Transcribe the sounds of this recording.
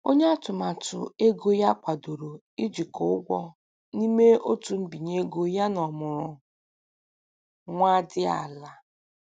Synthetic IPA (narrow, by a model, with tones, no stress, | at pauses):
o˦ɲe˦a˦tʊ˨ma˨tʊ̰˨e˦ɡo˦ja˦kʷa˨do˨ɾo˨ | i˦d͡ʒi˨kɔ˨˦ʊ˦ɡʷɔ˦ | ni˦me˦o˦tu˨m̩˦bi˨ɲe˦ɡo˦ja˦nɔ˨mʊ˨ɾʊ˨ | ŋʷa˦dɪ˦a̰˨la˨